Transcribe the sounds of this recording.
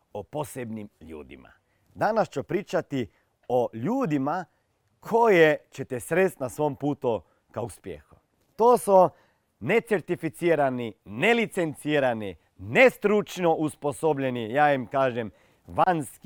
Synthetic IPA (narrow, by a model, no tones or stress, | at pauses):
oposebnimʎṵːd̪ḭma̰ | d̪anast͡ʃopɾiːt͡ʃat̪i | oʎuːd̪ima | kʰo̞jet͡ʃet̪ɛsɾest̪nasʋompuːt̪u | kauspjḛxu | t̪oːso | net̪seɾt̪ifit̪siːɾaninelit̪sent̪siːɾani | nest̪ɾut͡ʃnoʔusposobʎenijaːimkaːʒem | ʋansk